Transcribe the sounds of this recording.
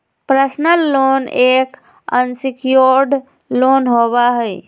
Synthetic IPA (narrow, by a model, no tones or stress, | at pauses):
pɾəsnəlːonek | ə̰nsikjoɾɖ | lonɦoβaɦəj